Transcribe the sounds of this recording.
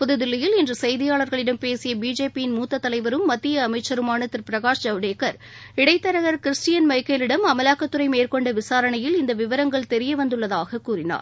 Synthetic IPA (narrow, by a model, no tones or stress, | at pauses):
pʊðɯðɪlːɐjɪlɛndrɯsɐjðɪjaːɭɐɾɣɐɭɪɽɐmpeːsɪjɐbiːd͡ʒeːpijɪnmuːt̪ːɐt̪ːɐlɐɪʋɐɾɯmːɐt̪ːɪjɐːmɐɪt͡ʃːɐɾɯmaːnɐt̪ːɪɾpɪɾɐɣaːʂd͡ʒɐʋɽeːkːɐɾ | ɪɽɐɪt̪ːɐɾɐɣɐɾkɪɾɪsʈɪjɐnmɐɪkːɐːlɪɽɐmɐmɐlaːkːɐt̪ːɯɾɐɪmeːɾkɔɳɖɐʋɪsaːɾɐɳɐjɪlɪnd̪ɐʋɪʋɐɾɐŋɡɐɭt̪ɛɾɪjɐʋɐnd̪ɯɭːɐðaːɣɐkːuːɾɪna̰ːɾ